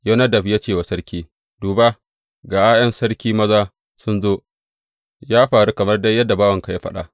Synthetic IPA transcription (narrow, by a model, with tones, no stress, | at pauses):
jɐ˦nɐ˦dɐ˨ɸja˦t͡ʃeː˦˨wa˨sɐ˦ɽkʲiː˦ | d̥uː˨ba˦ | ɡaː˨ʔaː˦jɐ˦nsɐ˦ɽkʲiː˦mɐ˦zaː˦ | sʊ˦nzoː˦ | jaː˦ɸaː˨ɽu˦kɐ˨mɐ˦rda˦jːɐ˦dːa˨baː˦wɐ˨ŋka˨ja˦ɸɐ˦ɗa̰˦ʔ